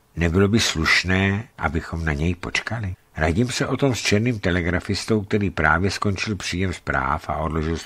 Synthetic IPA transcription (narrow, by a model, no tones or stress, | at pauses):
nɛbɪlo̞bɪsluʃnɛːʔa̰bɪxo̞mnaɲɛjpo̞̰t͡ʃkalɪ | ɾaɟimsɛʔo̞t̪o̞mst͡ʃɛɾniːmt̪ɛlɛɡɾafɪst̪owk̚t̪ɛɾiːpɾaːvjɛskont͡ʃɪlpr̝̥iːjɛmspɾa̰ːfa̰o̞dlo̞ʒɪls